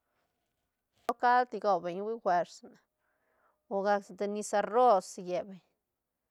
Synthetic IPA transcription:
lo˦ka˦lt̪i˧ɡo˧be˨ɲwi˦xʷe˧ɾsna˨ | o˧ɡa˧ksd̪e˧ni˧sa˧ɾo˦sje˨be˨ɲ

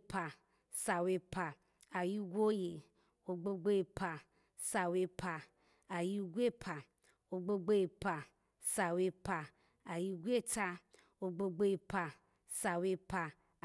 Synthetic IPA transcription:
pʰa˧ | sa˨we˧pa˧ | a˨ji˦ɡʷo˦je˨ | o˧ɡ͡bo˧ɡ͡bo˦ji˧pʰa˧ | sa˧we˧pʰa˧ | a˨ji˧˦ɡʷe˦pʰa˨ | o˧ɡ͡bo˧ɡ͡bo˦ji˧pa˧ | sa˧we˧pa˧ | a˨ji˧˦ɡʷe˦ta˧ | o˧ɡ͡bo˧ɡ͡bo˧˦ji˧pa˧ | sa˧we˧pa˧

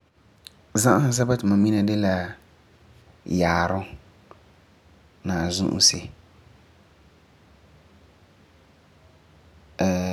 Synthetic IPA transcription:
zã˦ʔa˦ha˨zɛ˦ba˦tɪ˨ma˨mi˦na˦dɪ˦la˦ | jaː˨ɾʊ˦ | naː˨zṵ˦ʔṵ˦sɪ˨

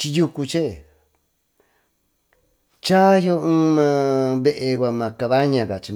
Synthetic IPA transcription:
t͡ʃi˧ju˧ku˧t͡ʃe˦˨ | t͡ʃa˦jo˧˦ũː˦mã˧βe˦˧ʔe˧kʷa˧mã˨˧ka˧βa˦ɲã˧˨ka˨t͡ʃi˧

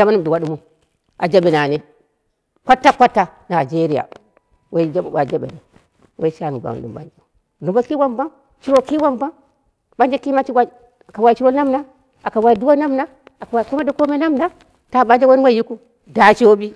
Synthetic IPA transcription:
d͡ʒa˦ma˦nu˦mdu˨wa˦ɗu˦mo˦ | a˨d͡ʒa˦ɓe˨na˨ne˦ | kʷa˦tːa˦kʷa˦tːa˦na˨d͡ʒe˦ɾi˦ja̰˨ | we˦i˦d͡ʒa˦˨a˨d͡ʒe˦ɓḛ˨ne˨ | we˦ʃa˦˨n˨ɡʷa̰˨du˨mba̰˦nd͡ʒe˦˨ | du˨mba˦ki˦wa˦mba˦n | t͡ʃi˦ɾo˦ki˦wa˦mba˦n | ɓa˦nd͡ʒe˦ki˦ma˦t͡ʃi˦ɡʷa˦˨ | ka˨wa˨i˨t͡ʃi˦ɾo˦na˦mna˦ | a˨ka˨wa˨i˨du˦wo˦na˦mna˦ | a˨ka˨wa˨ki˦ma˦di˦ko˦me˦na˦mna˦ | ta˦˨ɓa˦nd͡ʒe˦wo˦wa˦ji˦ku˦ | da˨t͡ʃi˦o˦bi˦

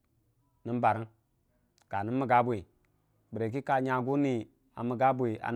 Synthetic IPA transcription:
ni˦mba˨ɾi˦n | ka˨ni˦mə˦˨ɡa˦bwi˨ | bə˨ɾe˨k̬i˦ka˨ɲa˨ɡu˦ni˨ | a˨mə˨ɡa˦bwi˨a̰˨

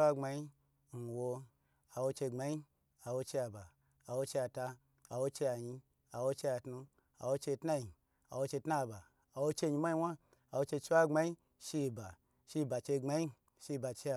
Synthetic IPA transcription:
a˦ŋ͡ma˧ji˦ | n̩˨wo˧ | a˨wo˧t͡ʃe˧ŋ͡ma˨˧i˦ | a˨wo˧t͡ʃe˧a˨ba˨ | a˨wo˧t͡ʃe˧a˧˨ta˧ | a˨wo˧t͡ʃe˧a˨ɲi˧ | a˨wo˧t͡ʃe˧a˨tnu˧ | a˨wo˧t͡ʃe˧tna˦ji˨ | a˨wo˧t͡ʃe˧tna˦˨ba˨ | a˨wo˧t͡ʃe˧˨ɲi˧mʷ˦a˦i˧˦wa˦ | a˨wo˧t͡ʃe˧t͡ʃi˦a˦˨ŋ͡ma˧˦i˦ | ʃi˧ba˨ | ʃi˧˨ba˨t͡ʃe˧ŋ͡ma˧ji˦ | ʃi˧˨ba˨t͡ʃe˧a˨

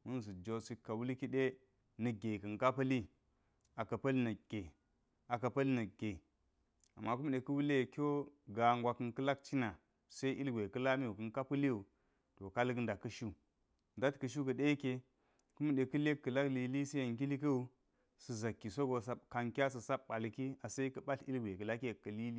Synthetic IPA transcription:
mu˦ns̬u˨d͡ʒo˨si˦kːa˨wu˦li˦ki˦ɗe˦ | nə˨ɡe˨kə˨ŋka˦pə˦li˦ | a˨ka˨pa˦lnə˨ɡ̥ʲe˨ | a˨ka˨pa˦lnə˨ɡ̥e˨ | a˨mːa˦ku˦m˦ɗe˨ku˦wu˦le˦˨kʲo˦ɡa˨ŋɡʷa˨kɨ˨nkə˦la˦k̚t͡ʃi˦na˨ | sa˦i˦ʔi˦lɡʷe˨kɨ˦la˦mi˦u˨kə˨ŋ˦ka˦pə˦li˦ju˨ | to˨ka˦lɡə˦nda˨kːə˦ʃu˦ | nda˦tkə˨ʃ̬u˦kə˨ɗe˦ke˨ | ku˦m˦ɗe˨kə˦le˦kːə˨la˦kli˨li˦si˦ja˨ŋki˦li˦kə˦u˦ | sə˨za˨kːi˨so˦ɡo˨sa˦ka˨ŋkʲa˦s̬ə˨sa˦bɓa˨lki˦a˨sa˦i˦kə˦ɓa˦ɬḭ˦lɡʷe˨kə˨la˦kkːə˨li˦li˦

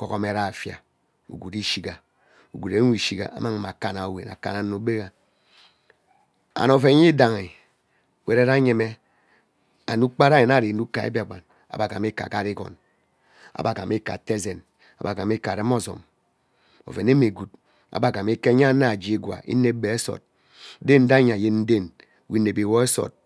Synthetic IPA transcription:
ko˨ko˨me˦ɾa˦˨fja̰˨ | ṵ˨ɡu˨ɾi˦ʃi˨ɡa˨ | u˨ɡu˨ɾe˦i˨ʃi˨ɡa̰˨ʔa̰˦ma˦˨ma˨ka˨na˨o˨wḛ˨na̰˨ka̰˨na˨nu˨˦be˦ɣa˨ | a̰˨no˨fe˨˦ɲi˦da˨ŋi˨ | we˨ɾe˦ɾa˦ɲe˨me˦ | a̰˨nu˦k͡pa˦ɾa˦je˨na˨ɾi˨nu˦ka˨ḛ˦bi˦a˨ɡ͡ba˨n | a̰˨ba˨ka˨mi˦ka̰˨ka˦ɾi˦kɔ̰˨n | a̰˨ba˨ka˨mi˦ka̰˨te˦ze˨n | a̰˨ba˨ka˨mi˦ka˨ɾe˦mo˦zo̰˨m | o̰˨ve˨ne˦me˨ɡu˨t̚ | a̰˨ba˨ka˨me˦ke˦ɲa˦na˦˨d͡ʒi˦i˦ɡwa̰˨ʔḭ˦ne˦be˨e˦so̰˨t̚ | de˦n̩˦da˦ɲa˨je˦nn̩˦de˦n˨ | wi˦ne˨bi˨wo˦e˦so̰˨t̚

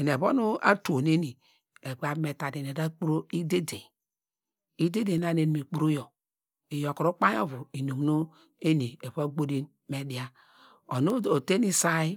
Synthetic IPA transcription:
e˨n˨e˨bo̰˦nu˦a̰˦to˨n˦e˦ni˨ | e˨ɡ͡ba˦me˨ta˨de˨ne˨da˦k͡pu˦ɾo˦i˦de˦de˨ | i˦de˦de˨na˦ne˨n˨me˨k͡pu˦ɾu˦jo˨ | e˨jo˨kɾo˦k͡pa˦jo̰˦vu˨i˨no˨m˨no˦ | e˦ni˨e˨bɡ͡bo˦di˦ | me˨di˨˦a˦ | o˨no˦o˨te˦ni˦sa˦i˦

